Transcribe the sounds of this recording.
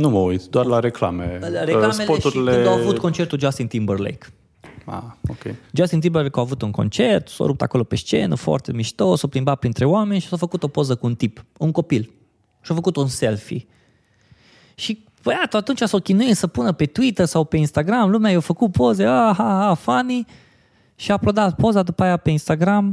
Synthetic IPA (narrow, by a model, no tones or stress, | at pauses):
numəuit̪d̪warlaɾekla̰mḛaɾelamelpotʃuɾileɨnawavut̪ko̞nt͡ʃe̞rt̪uld͡ʒast̪int̪imbərlḛjk | a̰okʲejd͡ʒast̪int̪̬imbərlekawavut̪uŋko̞̰nt͡ʃe̞rt̪so̰ɾup̚t̪a̰ko̞lo̞pe̞ʃt͡ʃe̞̰nəfoa̰rt̪emiʃt̪osopɾimbat̪̚pɾint̪ɾe̞oame̞nʲʃi̥sofəkut̪o̞po̞zəkuunt̪ipuŋko̞pil | ʃiofəkut̪unse̞lfḭ | ʃi | pəjat̪əat̪unt͡ʃasokʲinujisəpunəpe̞t̪uit̪ərsawpe̞inst̪aɡɾamlumeajewfəkupo̞zeaɦaɦafani | ʃiaplod̪at̪po̞zad̪upajape̞inst̪aɡɾam